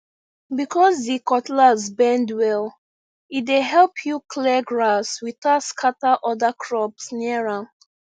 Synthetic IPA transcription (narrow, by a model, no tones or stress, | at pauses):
bikʰɔzdikɔtlazbɛ̃ndwɛl | itdeɦɛlpʰjukʰlɛɡɹaswitaskʰataʔɔdakʰɹɔpsniəɹã